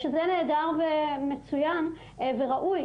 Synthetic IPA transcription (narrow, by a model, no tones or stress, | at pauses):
ʃezene̞ːdaʁvemet͡sujan | ve̞ʁaʔuj